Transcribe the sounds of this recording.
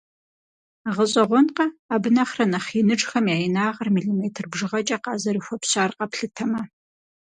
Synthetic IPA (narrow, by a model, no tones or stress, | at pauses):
ʁəɕʼɐʁʷɔnqɐaːbɨnɐχrɐnɐχinɨʈ͡ʂʼxɐmjaːjɪnaːʁɐrmiɮiːmeːtʰɨrbʐɨʁɐt͡ʃʼɐqɑːzɐɾɨxʷɔpɕaːrqɐpɬɨtʰɐmɐ